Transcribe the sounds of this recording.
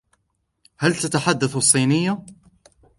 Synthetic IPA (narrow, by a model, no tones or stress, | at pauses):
halt̪at̪aħad̪ːaθɑsˤːiːnɪjːa